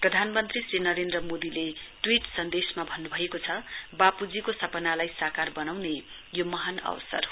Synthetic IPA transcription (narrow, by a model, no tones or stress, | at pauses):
prʌd̪ʱanmʌnt̪risrinʌɾend̪rʌmod̪ileʈwiʈsʌnd̪esmabʱʌnːubʱʌekot͡sʰʌbapud͡zikosʌpʌnalajsakarbʌnawne | jomʌɦanʌ̰wʌ̰sʌ̰r